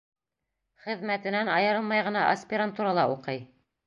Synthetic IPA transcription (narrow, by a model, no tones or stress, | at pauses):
χɘ̆ðmæt̪ɘ̆nænɑjɤ̆ɾɤlˠmɑjʁɤ̆nɑʔɐsʲpʲɪɾant̪uɾɑlˠɑuqɤj